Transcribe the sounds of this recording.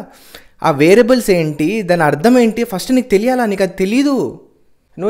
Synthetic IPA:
ɐ̰ʋeːɾɐbɐlseːɳʈid̪ɐnɐɐɾd̪ʱʰɐme̞ːɳʈipʰɐsʈniːk̚t̪e̞lijaːlaːniːkɐd̪it̪e̞lijɐd̪u | nu

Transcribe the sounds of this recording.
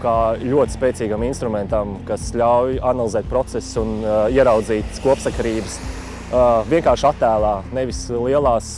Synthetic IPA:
kaːlʲuɔt̪ɪ̥speːtsiːɡaminst̪ɾumɛnt̪ɐmkasʎʲawjanalˠizɛːt̪̚pɾɔt̪sɛssuniɛɾawd̪ziːt̪kuɔpsakaɾiːbəs | ʋiɛŋkaːɾʃat̪ːæːlˠaːneʋislˠiɛlˠaːs

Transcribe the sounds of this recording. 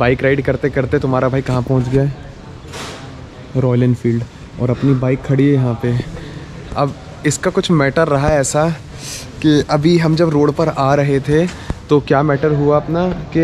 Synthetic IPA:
baːɪkɾaːɪɖkɐɾt̪ekɐɾt̪et̪oɦmaːɾabʱaːikɐɦãpɐ̃ɦʊ̃t͡ʃɡjaːɛː | ɾɔːlənfiːlɖ | ɔ̰ːɾɐpnibaːɪkʰːɐɽiejɐɦãpe | ɐb | ɪskakʊt͡ʃʰmɛːʈəɾːɐɦaɛːsa | kiɐbʱiɦɐmd͡ʒɐbɾoːɽpɐɾaːɾɐɦet̪ʰet̪okjaːmɛːʈəɾɦuaɐpnake

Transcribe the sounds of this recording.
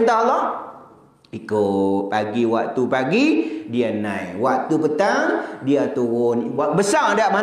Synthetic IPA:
nt̪alɔh | ikʊpaɡiwak̚t̪upaɡidianã̰jwaʔ̚t̪upət̪aŋdiat̪uɣʊnwaʔbəsaŋadaʔma

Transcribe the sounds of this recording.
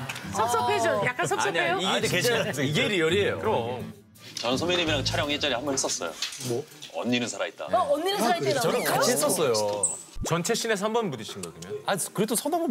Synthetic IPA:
sʰʌks͈ʌp͈ʰed͡ʑojak͈ansʰʌʌɲaejoiɡedeket͡ɕʰeiɡeɾijʌɾiejo̰kɯɾʌ | t͡ɕʌnɯnsʰomiɲimiɾat͡ɕʰaɾjʌŋet͡ɕ͈aɾihambʌnɦes͈ʌs͈ʌ̰jo̰ | ʌ̰nːinɯnsʰaɾa̰it̚t͈a̰aʌnːinɯnʰait͈et͡ɕʌnɯnkaiɦes͈ʌs͈ʌjo | t͡ɕʌnt͡ɕʰe̞ɕ͈ʰine̞s̬ʰambʌnbudiɕʰinɡʌɡimjʌnakɯɾe̞dosʰʌnamo

